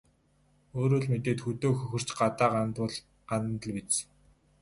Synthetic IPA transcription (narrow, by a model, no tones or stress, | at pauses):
oːɾoːɮmet̪eːt̪xɵt̪oːxɵxɵ̆r̥t͡ɕɢat̪aːʁt̪ʊɮ | ɢan̆nt̪ə̆ɮpit͡s